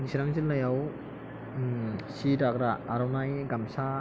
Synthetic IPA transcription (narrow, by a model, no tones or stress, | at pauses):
nisiɾaŋzillajaw | sidakɾaːɾɔwnajɡamsa